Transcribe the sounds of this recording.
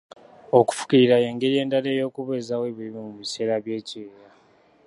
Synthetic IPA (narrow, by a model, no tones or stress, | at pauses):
o̞ku̥fu̥kiɾiɾaje̞ːŋɡe̞ɾije̞ːndale̞ːjo̞ːkuβeːzaweβiliβimuβise̞ːɾaβje̞ːcieɾa